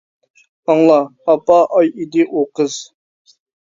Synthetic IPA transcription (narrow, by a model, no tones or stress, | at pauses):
ɑŋlˠɑɑpɑʔɑjid̪ɪʔoqəz̥